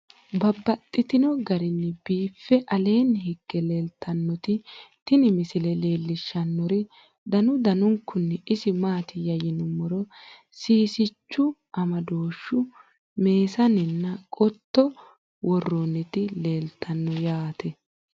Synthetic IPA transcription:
bɐbːɐt̪ʼːɪt̪ɪnɔɡɐɾɪnːɪbiːfːɛʔɐle̞ːnɦɪɡ̥ːɛle̞ːlt̪ʰːɐnːɔt̪ɪt̪ɪnɪmɪsɪlɛle̞ːlːɪʃːɐnːɔɾɪ | d̪ɐnʊd̪ɐnʊŋkːʊnːɛɪsɪmaːt̪ɪjɐjɪnʊmɔɾɔ | siːsɪt͡ʃːʊʔɐmɐd̪o̞ːʃːʊ | me̞ːsɐnɪnːɐkʼɔt̪ːɔ | wɔrːɔnːɛt̪ɪle̞ːlt̪ʰːɐnːɔjaːt̪ʰɛ

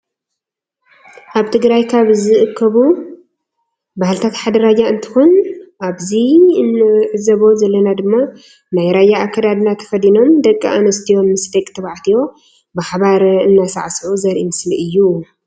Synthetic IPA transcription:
ʔaβt̪ʰɨɡɾajkʰaβzɨʔɨkʰːɐβu | bahlɨt̪ʰat̪ħad̪ɐɾad͡ʒaɨnt̪ʰɨ̥xonʔaβzinɨʕɨzɐβo̞zɐlːɐnad̪ɨmːa | najɾajaːkʰːɐd̪ad̪nat̪ʰɐ̥fɐd̪ino̞md̪ɐkʼːiʔa̰nɐst̪ʰijo̞mːɨsd̪ekʼt̪ʰɐβaʕt̪ʰijo̞ | baħbaɾɨnːasa̰ʕsʕuzɐɾʔimɨsliʔɨjːu

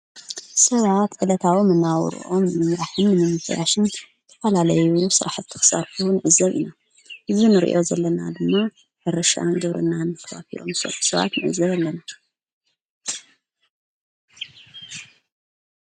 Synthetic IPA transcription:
sɐβat̪ʕɨlɐt̪ʰawimɨnːawɾɨ̰ʔo̞mnɨmɨmɾaħɨnːɨmɨmɨfʰɐja̰ʃɨn | t̪ʰɐ̥fɐlalɐjusɨɾʔaħzɨt̪ʰɨ̥xɨ̥saɾfuunɨʔɨzɐβḭna | ʔɨzunɨɾḭʔo̞zɐlːɐnad̪ɨmːa | bɐɾɐʃa̰nɡɨβɾɨnːanːɨkʰɐβa̰t̪ʰḭlo̞̰mso̰lu̥sɐβa̰t̪nɨʔɨ̰zːɐβalːɐna

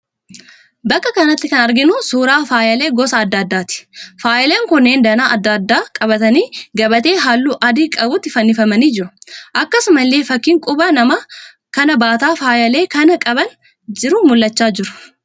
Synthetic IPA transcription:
bɐkːɐkɐnɐt̪ːɪkɐnɐɾɡɪnʊsuːɾaːfaːjɐle̞ːɡɔsɐːd̪ːaːd̪ːaːt̪ɪ̥faːjʔɐleːŋkʊnːeːnd̪ɐnaːʔɐd̪ːad̪ːaːkʼɐbɐt̪ɐniːɡɐbɐt̪e̞ːɦaːlːuːʔɐd̪iːkʼɐbʊt̪ːɪfɐnːɪfɐmɐniːd͡ʒɪɾʊ̥ʔɐkːɐsʊmɐlːe̞ːfɐkːiːŋkʼʊbɐnɐmɐ | kɐnɐbaːt̪aːfaːjɐle̞ːkɐnɐkʼɐbɐn | d͡ʒɪɾʊmʊlːɐt͡ʃːaːd͡ʒɪɾʊ̥

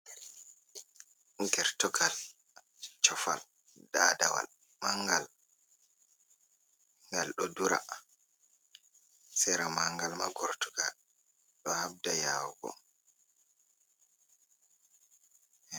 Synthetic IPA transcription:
ɡɛɾtɔɡal | t͡ʃɔfa̰l | dada̰wa̰l | maŋɡal | ŋɡalɗɔduɾa̰ | sɛɾamaŋɡalmaɡɔɾtɔɡal | ɗɔhab̚dajawɡɔ̰

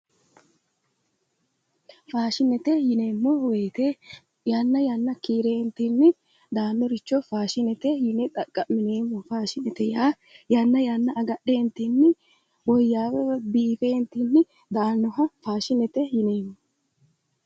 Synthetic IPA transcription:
faːʃɪnɛt̪ɛjɪnemːɔweːt̪e | jaːnːɐjanːɐkiːɾeːnt̪inːɪ | d̪aːnːɔɾɪt͡ʃːɔfaːʃɪnɛt̪ɛjɪnɛt̪ʼɐkʼːɐmːɪneːmːɔfaːʃɪnɛt̪ɛjaː | janːɐjaːnːɐʔɐɡɐɗːeːnt̪inːɪ | wɔjːaːwɛbiːfeːnt̪inːɪ | d̪aːnːɔɦɐfaːʃɪnɛt̪ɛjɪneːmːɔ

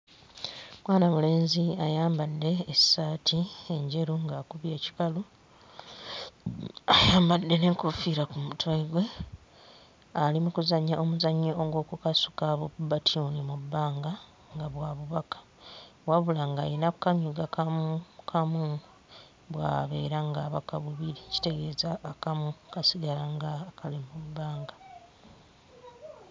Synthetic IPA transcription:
mwaːnamule̞ːnziajaːmbadːe̞ːsaːtʰieɲɟe̞ɾuŋɡakuβje̞ːci̥kalu | ajaːmbadːe̞ne̞ːŋkufiɾakumutwaiɡwe̞ | alimukuzaɲːaʔomuzaɲːooŋɡo̞ːkukasu̥kaβoubatʰiunimubːaːŋɡa | ŋɡaβwaβuβakḁ | waβulaŋɡajinakukamjuɡakakʰamu | βwa̰ːβe̞̰ːɾaŋɡaβa̰kaβuβiɾici̥te̞ɡe̞ːzaːkamukasiɡalaŋɡakalimubːaːŋɡa

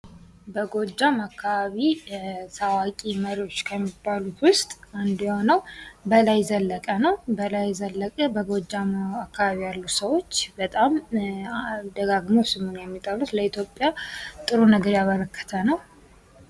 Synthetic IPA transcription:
bəɡo̞d͡ʒːamakʰːaβaβisawakʼiməɾio̞t͡ʃːkʰəmːibːalut̪wʊst̪ʼand̪jonəwbəlajzəlːəkʼənəwbəlajzəlːəkʼəbəɡo̞d͡ʒːamakːaβaβijalːusəwo̞t͡ʃːbət̪ʼam | d̪əɡaɡmosɨmunjɛmːit̪ʼəlut̪ləit̪ʰjo̞pʼjat̪ʼɨɾunəɡəɾjaβəɾəkʰːə̥t̪ʰənəw

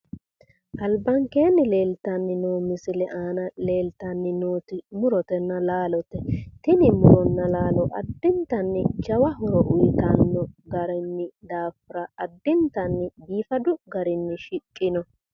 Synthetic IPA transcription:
ʔɐlbɐŋkeːnːɪle̞ːlt̪ɐnːɪnoːmɪsɪlɛʔaːnɐle̞ːlt̪ɐnːɪnoːt̪ɪmʊɾɔt̪ɛnːɐlaːlɔt̪ɛt̪ɪnɪmʊɾɔnːɐlaːlɔʔɐ̰d̪ːɪnt̪ɐnːɪd͡ʒɐwɐɦʊɾɔʔʊjt̪ɐnːɔɡɐɾɛnːɪd̪aːfɪɾɐʔɐd̪ːɪnt̪ɐnːɪbiːfɐd̪ʊɡɐɾɪnːɪʃɪkʼːɪnɔ

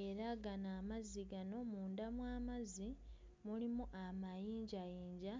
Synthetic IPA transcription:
e̞ɾaɡanaːmaziɡano̞muːndamwaːmazi | mulimuʔamajiːɲɟajiːɲɟa

